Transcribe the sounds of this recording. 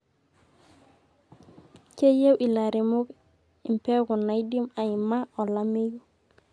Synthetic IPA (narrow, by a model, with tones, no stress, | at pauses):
ke˦je˦wʔi˨la˨ɾi˨mu˦k | i˨mpe˦ku˨na˨jdi˦ma˨ji˨ma˦o˨la˦mi˦ju˦